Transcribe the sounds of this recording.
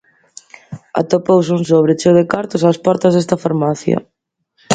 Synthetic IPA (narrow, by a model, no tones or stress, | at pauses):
a̰t̪opowsunsoβɾet͡ʃowðekaɾt̪ʊsaːspɔɾt̪ɐzðɛst̪ɐfaɾmaθjɐ̰